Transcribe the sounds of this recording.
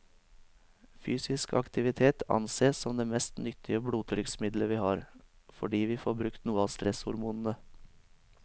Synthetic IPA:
fyːsɪskʰɑ̰kt̪ɪʋɪt̪ʰeːt̪ʰɑ̰nseːssɔmd̪eːmɛst̪nʏt̪ʰɪəbɽuːt̪ʰɾʏksmɪd̪ləʋiːhɑːɾ | fɔɖiːʋiːfoːbɾʉkt̪nuːəɑːst̪ɾɛshʊ̰ɾmuːnn̩ə

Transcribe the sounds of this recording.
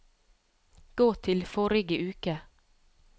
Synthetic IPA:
ɡ̥oːt̪ʰɪlfɔɾɪɡəʔʉːkə

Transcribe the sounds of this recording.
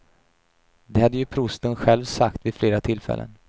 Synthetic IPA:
d̪ɛhad̪ːəjɵpʰɾʊst̪ənɧɛlvsakt̪vɪfleːɾat̪ʰɪlfɛ̰lːə̰n

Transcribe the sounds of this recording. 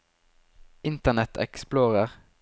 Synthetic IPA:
ʔɪnt̪əʁnɛt̪ʰɛ̰ksploːʁəʁ

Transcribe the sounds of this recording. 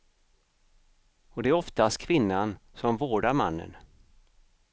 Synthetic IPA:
ɔd̪ɛæɾɔft̪ast̪kʰvɪnːansɔmvoːɖaɾma̰nːə̰n

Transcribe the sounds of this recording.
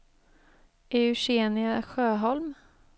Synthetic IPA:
ʔɛʉɕeːnɪaɧøːɦɔlm

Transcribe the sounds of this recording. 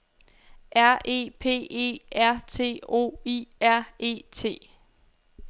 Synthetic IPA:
ʔæɐ̰e̝̰ːpʰe̝̰ːe̝̰ːæɐ̰t͡sʰe̝̰ːo̝̰ːiæɐ̰e̝̰ːt͡sʰe̝̰ː

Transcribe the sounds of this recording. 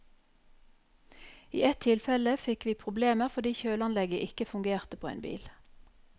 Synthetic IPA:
ḭːɛt̪ʰːɪlfɛləfɪkʋiːpʰʁʊbleːməʁfɔd̪iːçøːlɑnlɛɡəʔɪkəfʉŋɡeːʁt̪əpʰoːḛːnbḭːl

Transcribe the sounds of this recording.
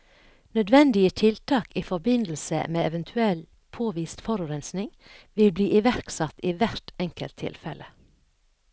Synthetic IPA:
nœd̪ʋɛnd̪ɪət̪ʰɪlt̪ʰɑːkiːfɔɾbɪnd̪l̩sə̰meːɛʋənt̪ʰʉɛl | pʰoːʋiːst̪fɔɾʉɾɛnsnɪŋʋɪlbliːʔɪʋæɾksɑt̪iːʋæɾʈɛŋkəlt̪ʰːɪ̰lfɛlʔə

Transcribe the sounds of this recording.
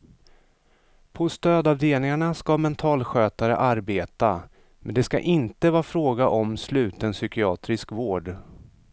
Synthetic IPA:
pʰɔst̪øːd̪avd̪eːlɪŋaɳaskamɛnt̪ʰɑːlɧøːt̪aɾə̰ʔaɾbeːt̪a | mɛnd̪ɛska̰ʔɪnt̪əvɑːfɾoːɡaʔɔmslʉ̟ːt̪ənsʏkɪɑːt̪ɾɪskvoːɖ

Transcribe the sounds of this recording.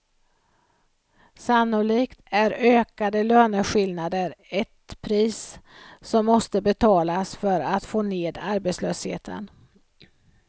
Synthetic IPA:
sanːʊliːkt̪æɾøːkad̪əløːnəɧɪlnad̪əɾɛt̪pʰɾiːssɔmːɔst̪əbɛt̪ʰɑːlasfœɾat̪foːneːd̪aɾbet̪slø̰ːshḛːt̪ʰə̰n

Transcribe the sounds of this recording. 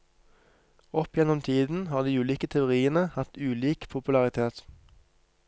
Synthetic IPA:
ɔpjɛnɔmt̪ʰiːd̪n̩hɑːʁd̪iːʉːliːkət̪ʰɛʊʁiːənəhɑt̪ʉːliːkpʰʊpʉlɑʁɪt̪ʰeːt̪

